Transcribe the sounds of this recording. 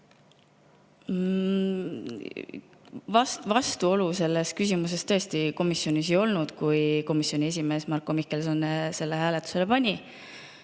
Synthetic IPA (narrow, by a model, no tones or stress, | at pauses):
vɑst̪vɑst̪uo̞luse̞lːe̞skysʲimus̬e̞st̪ɤest̪iko̞misːjo̞nʲis̬ejo̞lnud̪̥kujko̞misjo̞nʲie̞s̬ʲime̞ːsmɑrkːˑomikːˑe̞lsonːse̞lːehæːlet̪ːˑu̥se̞lepɑnʲi